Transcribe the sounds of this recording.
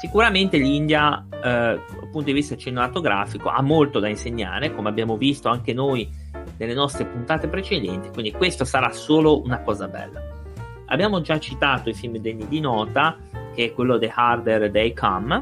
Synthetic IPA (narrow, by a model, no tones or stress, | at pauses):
sikuɾament̪elind̪ja | d̪a̰punt̪od̪ivist̪at͡ʃenemat̪oɡɾʔa̰ːfiko̰ʔa̰mːolt̪od̪ainseɲːa̰ːɾekomeabjaːmovist̪oaŋkenoj | nelːenɔst̪ɾepunt̪aːt̪epɾet͡ʃed̪ɛnt̪i̥kwind̪ikwest̪osaɾasoːlounakɔːzabɛ̰lːa̰ | a̰bːjaːmod͡ʒat͡ʃit̪aːt̪oifilmd̪enːid̪inɔːt̪a | k̟eɛkːwelːod̪elhard̪erd̪ejkʰam